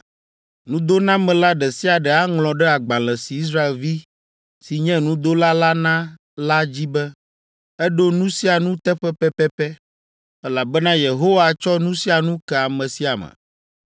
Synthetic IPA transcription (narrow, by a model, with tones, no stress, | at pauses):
nũ˦d̪o˦nã˦mɛ̃˨la˦ɖɛ˨si˦a˨ɖɛ˨a˦ŋlɔ̃˨ɖɛ˦a˨ɡ͡bã˨l̃ɛ̃˨si˨i˦s̬ɾa˦e˨lvi˦ | si˨ɲɛ̃˦nũ˦d̪o˦la˦la˦nã˦ | la˦d͡ʑi˦bɛ˦ | ɛ˦ɖo˦nũ˦si˦a˨nũ˦t̪ɛ˦ɸɛ˦ɸɛ˦pɛ˦pɛ˦ | ɛ˦la˨bɛ˦nã˦je˨ɦo˦wa˨t͡ʃɔ˦nũ˦si˦a˨nũ˦kɛ˨a˨mɛ̃˨si˦a˨mɛ̰˨